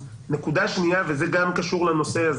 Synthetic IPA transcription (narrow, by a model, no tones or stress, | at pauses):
ne̞kud̪aʃnijavezeɡamkaʃuʁleno̞se̞az